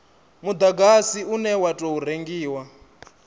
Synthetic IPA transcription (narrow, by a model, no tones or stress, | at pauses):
mud̪aɡasiunɛwatʼɔɦuɾeŋɡiːwa